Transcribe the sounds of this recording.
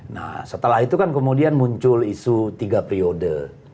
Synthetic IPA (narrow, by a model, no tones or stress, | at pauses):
na̰hsət̪əlaɦit̪ukankəmudianmuɲt͡ʃʊlisut̪iɡapɾiodə